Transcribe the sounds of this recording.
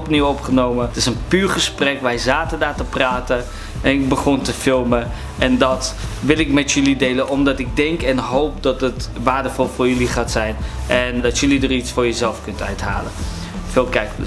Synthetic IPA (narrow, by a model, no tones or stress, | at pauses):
ɔpniwɔpχənowmətɪsənpyːɹχəsprɛkʋɛjzaːtədaːɹtəpraːtə | ʔɛnɪk̚bəχɔntəfɪlˠmə | ʔɛndɑtʋɪlˠɪkmɛtjɵlidejlənɔmdɑtɪɡ̚dɛŋkɛnɦowpdɑtətʋaːɹdəfɔlˠfʊːɹjəliχaːtsɛjnʔɛndɑtjəlidəritsfʊːɹjəzɛlˠfkɵntœ̰ɥtɦa̰ːlə | fɪːlˠkɛjk